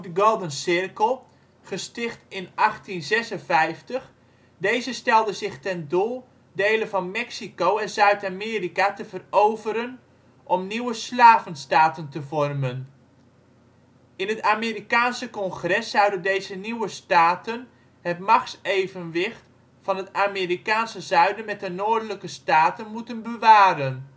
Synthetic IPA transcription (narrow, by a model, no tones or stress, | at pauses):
dəɡolˠdənsɪrkəlˠ | χəstɪχtɪnʔɑχtinzɛsənvɛjftəχ | dejzəstɛlˠdəzɪχtɛndulˠ | dejləvɑnmɛksikowɛnzœɥtameːrikatəvərowvəɾən | ʔɔmniwəslaːvənstaːtəntəvɔrmən | ɪnɦətaːmiːɾikaːnsəkɔnχrɛsːʌwdəndejzəniwəstaːtən | ɦətmɑχsejvənʋɪχt | fɑnətaːmɪːɾikaːnsəzœɥdənmɛt̚ənʊːdələkəstaːtənmutənbəʋaːɾən